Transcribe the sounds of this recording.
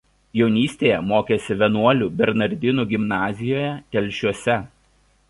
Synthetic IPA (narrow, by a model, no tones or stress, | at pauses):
jɛʊnʲiːsʲt̪ʲeːjɛmoːkʲeːsʲɪʋʲɛnuɔlʲuːbʲɛɾnɐɾʲd̪ʲɪnuːɡʲɪmnɑːzʲɪjoːjɛt̪ʲɛlʲˑʃʲuɔsʲɛ